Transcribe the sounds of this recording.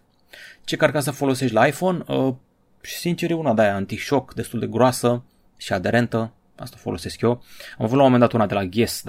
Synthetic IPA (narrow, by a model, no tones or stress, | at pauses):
t͡ʃe̞kaɾkas̬əfo̞lo̞se̞ʃt̪ʲlaːjfo̞nə | ʃi̥sint͡ʃe̞ɾiunad̪ajaant̪iʃo̞kd̪e̞st̪uld̪e̞ɡɾoasə | ʃiad̪e̞ɾe̞nt̪ə | a̰st̪afo̞lo̞̰se̞skjo̞amavut̪lamomend̪at̪unad̪e̞laɡʲe̞s